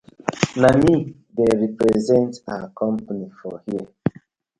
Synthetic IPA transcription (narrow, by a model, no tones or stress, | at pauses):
nami | deɾipɾezɛ̃ntakʰɔ̃mpanifɔhiə